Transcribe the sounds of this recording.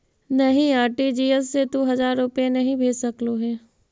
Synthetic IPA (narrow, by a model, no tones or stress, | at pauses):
nɐɦĩaːɾʈid͡ʒiːəsːet̪uɦɐzaːɾːʊpenɐɦĩbʱeːsəkloɦɛː